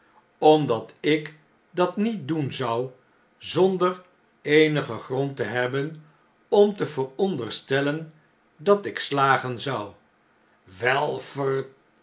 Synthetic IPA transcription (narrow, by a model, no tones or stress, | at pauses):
ɔmdɑtɪk | dɑtnit̚dunzʌw | zɔndər | ejnəχəχrɔntəɦɛbən | ɔmtəvərɔndərstɛlən | dɑtɪkslaːχənzʌw | ʋɛlˠfər